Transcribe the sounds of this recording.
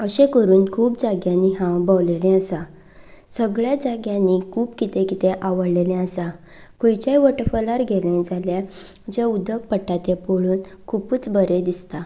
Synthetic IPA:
əɕẽkəɾuːnkʰuːpd͡zaɡjãnːiɦãbawlelɛ̃əsa | səɡɭjad͡zaɡjãnːikʰuːpkit̪ẽkit̪eʔaʋəɽlelɛ̃əsa | kojt͡ɕajʋəʈəfəlaɾɡʱelɛ̃d͡zalja | d͡ʑeud̪ək̚pəʈːat̪epoɭuːnkʰupuːt͡sbəɾed̪ist̪a

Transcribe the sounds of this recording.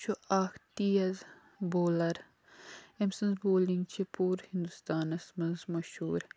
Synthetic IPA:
t͡ʃʰuaːkt̪iːjɐz | boːlɐɾ | emsɐnsboːlĩŋɡt͡ʃʰipuːɾhĩnd̪ust̪aːnɐsmɐnzmɐʃhṵːɾ

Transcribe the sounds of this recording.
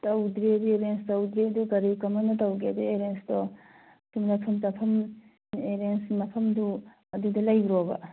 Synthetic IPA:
tɐwd̪ɾiɐdueɾenstɐwd̪ɾiduɡɐɾikɐmanɐtɐwɡeɐdueɾensdɔ | sumɾapʰɐmtɐpʰɐm | eɾensmɐpʰɐmdu | ɐdudɐlɐjɡɾɔbɐ̰

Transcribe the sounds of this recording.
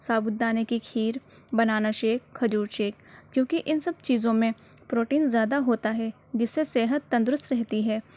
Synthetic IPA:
saːbʊt̪̚d̪aːnekikʰiːɾ | bɐnaːnaʃeːk̚xʰɐd͡ʒuːɾʃeːk̚kjõːkiʔɪnsɐb̚t͡ʃiːzõmẽ | pɾoːʈiːnzjaːd̪aɦoːt̪aɦɛ | d͡ʒɪsːeseːɦət̪ːɐ̃nd̪ɾʊst̪ɾɛɦt̪iɦɛː

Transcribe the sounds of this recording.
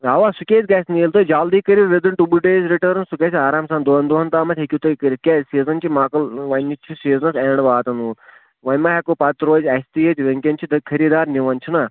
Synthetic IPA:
ɦaːʋaːsukʲeːtʲɡɐsʲniːlt̪oːjd͡ʒaːld̪iːkəɾiʋed̪ɨnʈubuɖeːzʲɾiʈəɾnsukɐsʲaːɾaːmsaːnd̪oːnd̪oːɦɐnt̪aːmɐt̪ʰʲɦekʲut̪ɐkɐɾikʲesiːzɐnt͡ʃimaːkɐlʋɐnːit͡ʃʰisiːznɐseːɳɖʋaːt̪ɐnuː | ʋɐjʲmaːɦɛkopɐt̪ɾoːzʲɐsʲt̪iːet̪ʲʋeŋkʲɐnt͡ʃʰid̪ɐkʰɐɾiːd̪aːɾniʋɐnt͡ʃʰunaː

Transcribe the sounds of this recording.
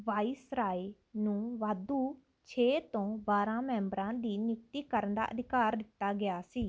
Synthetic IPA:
ʋaːiːsɾaːi | nũːʋaːd̪uː | t͡ʃʰeːt̪õːbaːɾãːmɛ̃ːmbəɾãːd̪iːnɪkt̪iːkəɾənd̪a̰ːʔəd̪ʱɪkaːɾd̪ɪt̪ːaːɡɪjaːsiː

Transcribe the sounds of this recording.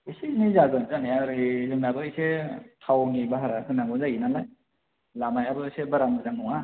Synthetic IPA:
isiznizaɡɯnzaneaɾizɯndabɯːjsetʰawnibaɦaɾahʰɯnaŋɡɯnzajinanaj | lamajabɯsebaɾamɯzaŋɔŋa

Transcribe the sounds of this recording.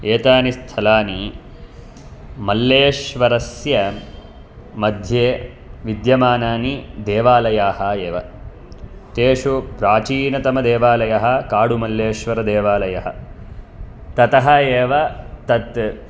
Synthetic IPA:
eːt̪aːnist̪ʰɐlaːni | mɐlːeːʃʋɐɾɐsjɐ | mɐd̪ʱjeː | ʋid̪jɐmaːnaːnid̪eːʋaːlɐjaːɦɐeːʋɐ | t̪eːʂupɾaːt͡ʃiːnɐt̪ɐmɐd̪eːʋaːlɐjɐɦɐkaːɽumɐlːjeːʃʋɐɾɐd̪eːʋaːlɐjɐɦɐ̆ | t̪ɐt̪ɐɦɐeːʋɐt̪ɐt̪

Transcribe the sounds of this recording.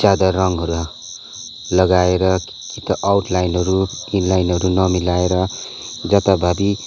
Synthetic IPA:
d͡zad̪arʌŋɦʌɾua | lʌɡaeɾʌ | kit̪ʌʔawʈʰlajnɦʌɾuinlajnɦʌɾunʌmilaeɾʌ | d͡zʌt̪abʱabi

